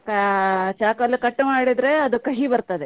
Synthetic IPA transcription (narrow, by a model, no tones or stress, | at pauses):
kɐt͡ʃaːkɐlːukɐʈːmaːɽid̪ɾe̞ɐd̪ukɐɦibɐɾt̪ɐd̪e